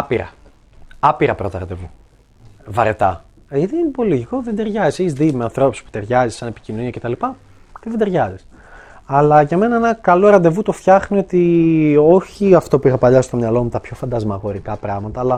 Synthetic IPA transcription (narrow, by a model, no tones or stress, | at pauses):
piɾɐ̰ | ɐpiɾɐpɾo̞t̪ɐ̰ɾɐnd̪e̞vu | vɐɾet̪ɐ̰ | ʝɐt̪iinipo̞liʝikoðend̪e̞ɾʝɐziseçizðimeɐnθɾo̞pusi̥spu̥t̪e̞ɾʝɐzisɐne̞pi̥cinoniɐcet̪ɐlipɐ | t̪eðend̪e̞ɾʝɐzis | ɐlɐʝɐme̞nɐenɐkɐlo̞ɾɐnd̪e̞vut̪o̞fçɐxnio̞t̪io̞çiɐft̪o̞puixɐpɐʎɐsist̪o̞mɲɐlo̞mut̪ɐpço̞fɐnd̪ɐzmɐɣo̞ɾikɐpɾɐɣmɐt̪ɐːlɐ